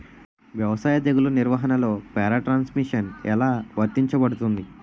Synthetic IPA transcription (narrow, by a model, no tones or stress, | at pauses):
ʋjɐʋɐsaːjɐd̪eɡuluniɾʋɐɦɐnɐlo̞ːpɛːɾaʈɾaːnsmiʂɐnɛlaːʋɐɾt̪iɲt͡ʃɐbɐɽut̪und̪i